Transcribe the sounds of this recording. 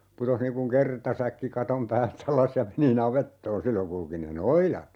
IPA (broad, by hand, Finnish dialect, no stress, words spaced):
putoh niːŋ kuŋ kertɑsækːi kɑtom pæːlt ɑlɑs jɑ meni nɑʋetːoːn silːoŋ kulki ne noilɑt